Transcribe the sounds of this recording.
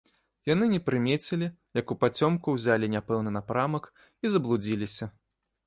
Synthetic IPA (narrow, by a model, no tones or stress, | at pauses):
jan̪ɨnʲɛpɾɨmʲet͡sʲɪlʲi | jɐkupat͡sʲɔmkuwzʲalʲinʲapɛwnɨnapɾamɐk | izɐblˠud͡zʲilʲisʲɐ